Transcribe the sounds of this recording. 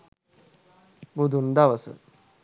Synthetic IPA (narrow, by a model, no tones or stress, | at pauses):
bud̪ʱund̪aʋəsə̰